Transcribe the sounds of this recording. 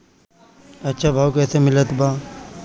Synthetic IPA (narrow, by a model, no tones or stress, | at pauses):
ɐtːʃʰabʱaːukɛːsemɪlət̪baː